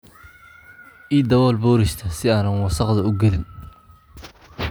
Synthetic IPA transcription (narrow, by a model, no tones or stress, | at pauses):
ʔiːd̪ɐwɔːlbɔːɾɪʃt̪ʰɐsɪaːnɐnwɑsɑqd̪ɐʊɡɛlɪn